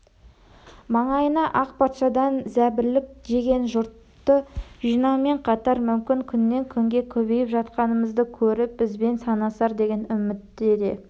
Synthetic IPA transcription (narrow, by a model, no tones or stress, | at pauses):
mɑɴɑjənɑʔɑqpʰɑt̪ʃɑd̪ɑnzæbɪɾlɪk̚d̪e̞ɡʲe̞nʒʊɾt̪ːəʒijnɑwme̞ɴqʰɑt̪ɑɾmʏmkʲɪŋkʲʰʏnːe̞ŋkʲʰʏŋɡʲe̞kʲʰɵβe̞jɪpʒɑt̪̚qɑnəməzd̪əkʲʰɵɾɪp̚bɪzbe̞nsɑnɑsɑɾd̪e̞ɡʲe̞nʏmɪt̪ːɪed̪e̞